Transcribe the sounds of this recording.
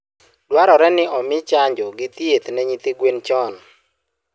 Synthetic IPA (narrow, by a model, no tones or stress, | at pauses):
dwaɾɔɾɛnɪɔmɪt͡ʃaɲd͡ʒɔɡɪt̪iet̪nɛɲit̪iɡwent͡ʃɔn